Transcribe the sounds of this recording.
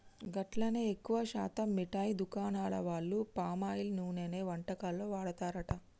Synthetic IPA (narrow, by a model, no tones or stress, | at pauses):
ɡɐʈlɐneːekːuʋɐʃa̰ːt̪ɐmːiʈaːjd̪ukaːnaːɭɐ̰ʋaːɭːupaːmaːjilnuːneːneːʋɐɳʈɐkaːlo̞ːʋaːɽɐt̪aːɾɐʈɐ